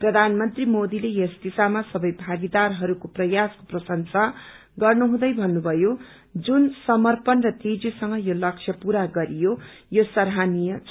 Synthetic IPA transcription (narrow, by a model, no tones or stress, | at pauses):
prʌd̪ʱanmʌnt̪rimod̪ilejʌsd̪isamasʌbʌjbʱaɡid̪arɦʌɾukoprʌjasko̥prʌsʌnsa | ɡʌrnuɦũd̪ʌjbʱʌnːubʱʌjo | d͡zunsʌmʌrpʌnrʌt̪id͡zisʌŋɡʌjolʌk̚t͡sʰjʌpuɾaɡʌɾijojosʌɾɦanijʌt͡sʰ